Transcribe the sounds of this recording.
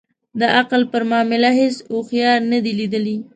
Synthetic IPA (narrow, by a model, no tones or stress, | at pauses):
d̪əʔaqlpəɾmɑmɪlaɦesoxjɑɾnəd̪ilid̪əli